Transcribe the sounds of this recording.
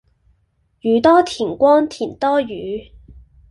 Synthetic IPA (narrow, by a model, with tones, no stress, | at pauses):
jyː˨˧t̪ɔː˥t̪ʰiː˨˩nkʷɔː˥nt̪ʰiː˨˩nt̪ɔː˥jyː˨˦